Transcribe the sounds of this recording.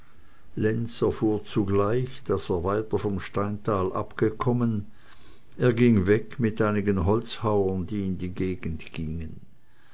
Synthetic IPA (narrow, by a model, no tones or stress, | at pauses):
lɛnsɛɐfuːɐt͡suɡlaɪçd̥aseːɐvaɪtɐfɔmʃtaɪntʰaːlʔa̰pɡ̥əkʰɔmən | ʔeːɐɡɪŋvɛkmɪtʔaɪnɪɡənɦɔlt͡shaʊɐndiːɪndiːɡeːɡn̩tɡ̥iːŋən